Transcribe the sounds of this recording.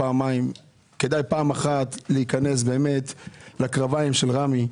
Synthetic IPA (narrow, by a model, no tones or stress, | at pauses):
aːmaim | kedajpaːmaχat̪leikane̞s̬be̞ːme̞tlakʁavaimʃe̞lʁami